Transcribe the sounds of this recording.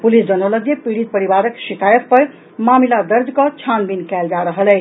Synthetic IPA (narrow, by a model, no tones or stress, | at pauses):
pulisd͡ʒʌnələɡepiɽit̪̚pəɾibaɾəksit̪ajəppʌɾ | mamilad̪əɾd͡ʒkʌt͡ʃʰanbinkæld͡ʒaɾəɦəlɛ